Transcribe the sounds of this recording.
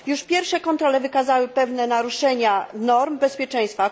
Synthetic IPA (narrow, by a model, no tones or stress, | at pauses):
juʂpʲjɛɾfʂɛkɔnt̪ɾɔlɛvɘkazawɘpɛvnɛnaɾuʂɛɲanɔɾmbɛspʲjɛt͡ʂɛ̃j̃st̪fa